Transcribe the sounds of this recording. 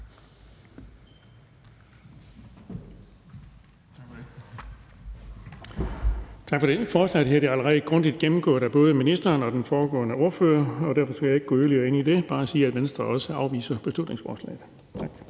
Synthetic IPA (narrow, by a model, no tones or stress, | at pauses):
t͡sʰɑ̈ɡ̥fɒdefɒːslɛ̰ð̩ˠɦeɐd̥eæləʁɛð̩ˠɡ̥ʁɔ̽n̰d̥id̥̚ɡ̥emm̩ɡ̥ɔ̰̽ːɾ̥æb̥ɔ̽ːð̞̩ˠəminisd̥ɐːnɒ̽d̥enfɒːɡ̥ɔ̰ːnəo̝ɐføːɐɒ̽d̥æɐfɒ̽sɡ̥æjɑe̝ɡ̥əɡ̥ɔ̰ːøðɐliɐe̝nid̥e̝b̥ɑ̈ːæsiːæd̥ʋensd̥ʁɐɒ̽səɑ̈ʊʋḭːsɐb̥e̝slud̥ne̝ŋsfɒ̰ːslɛ̰ːð̩ˠ | t͡sʰɑɡ̥